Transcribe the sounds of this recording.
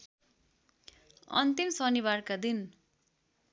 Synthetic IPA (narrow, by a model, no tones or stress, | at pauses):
ʌ̰nt̪imsʌniβarkad̪in